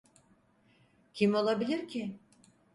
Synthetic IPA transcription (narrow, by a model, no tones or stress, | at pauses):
cʰimo̞lˠabilʲiɾcʰɪ